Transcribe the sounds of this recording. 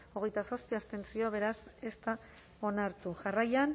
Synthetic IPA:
o̞ɣ̞e̞jt̪asospiast̪e̞nt͡sioβ̞e̞ɾase̞st̪a | o̞naɾt̪uʝarajan

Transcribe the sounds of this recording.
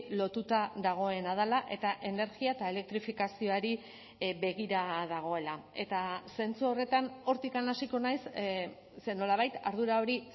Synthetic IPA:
lo̞t̪ut̪aðaɣ̞o̞e̞nað̞alaʔe̞t̪aʔe̞ne̞ɾɣiaet̪ae̞le̞k̚t̪ɾifikasio̞aɾi | βe̞ɣ̞iɾaðaɣ̞o̞e̞lae̞t̪ase̞nt͡suo̞re̞t̪ano̞ɾt̪ikanasiko̞najs | seno̞laβajt̪aɾð̞uɾao̞ɾi

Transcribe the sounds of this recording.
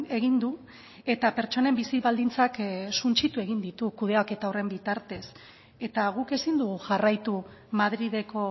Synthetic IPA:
e̞ɣind̪u | e̞t̪ape̞ɾt͡ʃo̞ne̞mbisiβald̪int͡saksunt͡ʃit̪ue̞ɣ̞ind̪it̪ukuð̞eake̞t̪aore̞mbit̪aɾt̪e̞s | e̞t̪aɣ̞uke̞sind̪uɣ̞uʝarajt̪u | maðɾið̞e̞ko̞

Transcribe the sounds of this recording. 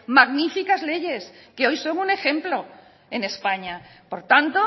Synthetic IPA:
maɣnifikazle̞ʝe̞ske̞o̞jso̞ŋune̞xẽ̞mplo̞ | e̞ne̞spaɲapo̞ɾt̪ant̪o

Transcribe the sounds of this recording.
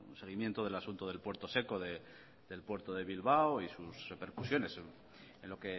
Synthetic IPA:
unse̞ɣ̞imjent̪oð̞e̞lasunt̪oðe̞lpwe̞ɾt̪o̞se̞ko̞ðe | ðe̞lpwe̞ɾt̪oðe̞βilβ̞aoisusre̞pe̞ɾkusjo̞ne̞s | enlo̞ke

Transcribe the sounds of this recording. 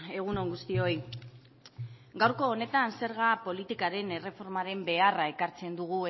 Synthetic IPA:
e̞ɣ̞uno̞ŋɡust̪io̞j | ɡawɾko̞ːne̞t̪anse̞ɾɣapo̞lit̪ikaɾe̞ne̞re̞fo̞ɾmaɾe̞mbe̞arae̞kaɾt͡se̞nd̪uɣ̞ue

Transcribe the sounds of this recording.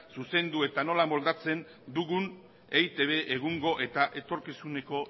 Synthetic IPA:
suse̞nd̪ue̞t̪ano̞lamo̞ld̪at͡se̞n | d̪uɣun | ejt̪e̞β̞e̞ʔːɣ̞uŋɡo̞ʔe̞t̪aʔe̞t̪o̞ɾkisune̞ko̞

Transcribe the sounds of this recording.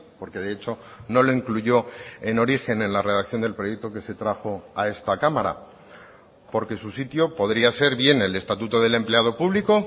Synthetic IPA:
po̞ɾke̞ðeet͡ʃo̞no̞lo̞iŋkluʝo̞e̞no̞ɾixe̞nẽ̞nlare̞ð̞ak̚θjo̞nd̪elpɾo̞je̞k̚t̪o̞ke̞se̞t̪ɾaxo̞ae̞st̪akamaɾa̰ | po̞ɾke̞susit̪jo̞po̞ðɾiase̞ɾβje̞ne̞le̞st̪at̪ut̪o̞ð̞e̞le̞mple̞aðo̞puβliko̞

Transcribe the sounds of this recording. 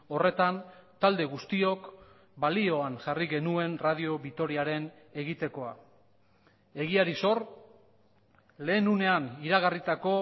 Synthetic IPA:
o̞re̞t̪ant̪ald̪e̞ɣust̪io̞k | balio̞anʝariɣe̞nue̞nrað̞io̞βit̪o̞ɾiaɾe̞n | e̞ɣit̪e̞ko̞a̰ | e̞ɣiaɾiso̞r | le̞ːnune̞aniɾaɣ̞arit̪ako̞

